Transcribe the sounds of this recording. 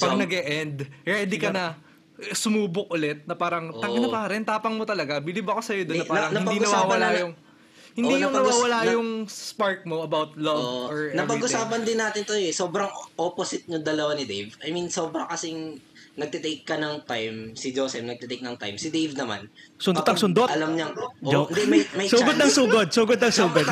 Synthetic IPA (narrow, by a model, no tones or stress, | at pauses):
pɐɡnɐɡɛʔɛnd̪ɾɛd̪ɪkɐnɐ | sʊmuːbʊk̚ʔʊlɛt̪̚nɐpaːɾɐŋt̪ɐŋɡɐnɐpɐɾɛnt̪aːpɐŋmo̞t̪ɐlɐɡabɪlɪbɐkosɐjod̪oːpaːɾɐŋnɐɪnpɐd̪innwaːwɐlajʊŋ | hɪnd̪iːjʊŋnɐwaːwɐlajʊŋsspaɹk̚mo̞ʔɐbawt̪̚lɐvoɹnɐpɐɡʊsaːpɐnd̪ɪnːaːt̪ɪnt̪oɛso̞ːbɾɐŋʔoːposɪt̪̚ɲʊŋd̪ɐlɐwanɪd̪ejvʔɐjminso̞ːbɾɐŋkɐsɪŋnɐɡ̚t̪ɛt̪ejkːɐnɐŋt̪ajmsɪd͡ʒoːsɛfnɐɡ̚t̪ɛt̪ejk̚nɐŋt̪a̰jmsɪd̪ejvnɐma̰nsʊnd̪ot̪ɐŋsʊnd̪oɐlɐmɲɐd͡ʒoɪnd̪ɛmɐmɐjsuːɡod̪nɐŋsuːɡod̪̚suːɡod̪̚nɐŋsuːɡod̪̚